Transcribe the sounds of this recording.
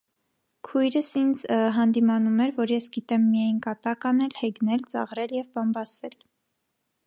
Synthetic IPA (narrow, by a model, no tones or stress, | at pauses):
kʰujɾəsind͡zɦɑnd̪imɑnumɛɾvɔɾjɛsɡit̪ɛmːijɑjnkɑt̪ɑkɑnɛlhɛɡnɛlt͡sɑ̰ʁɾɛljɛvbɑmbɑsɛl